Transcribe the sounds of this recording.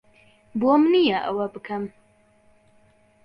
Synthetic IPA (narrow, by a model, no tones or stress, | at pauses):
bomnijɐʔɐ̰wɐbɨkʰɐm